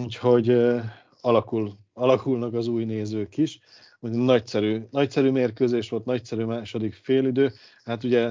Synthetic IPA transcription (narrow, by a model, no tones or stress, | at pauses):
uːcho̞ɟ | ɒlɒkul | ɒlɒkulnɒkɒzuːjneːzøːkiʃ | uchonɒcsɛɾyːnɒcsɛɾyːmeːrkøːzeːʃʋo̞lt̪nɒcsɛɾyːmaːʃo̞d̪ikfeːlid̪øː | hat̪uɟɛ